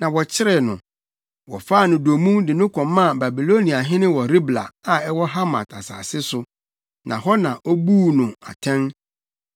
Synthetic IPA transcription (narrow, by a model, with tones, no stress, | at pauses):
nã˨wɔ˨t͡ɕʰɪ˦ɾɪ˨nʊ̰̃˨ | wɔ̰˨fa˦˨nʊ̃˨do˨mũ˦dɪ˨nʊ̃˦kʰɔ̃˨mːã˦˨ba˨bi˨lo˦nĩ˨a˨ɦɪ̃˦nɪ̃˦wɔ˨ɾi˦bla̰˨a˨ɛ˦wɔ˦ɦa˦ma̰˨tʰa̰˨sa̰ː˨sɪ˦sʊ˦ | nʔã˨ɦɔ˦nã˨ʔɔ˦buː˦nʊ̃˨a̰˨tʰɛ̃˦n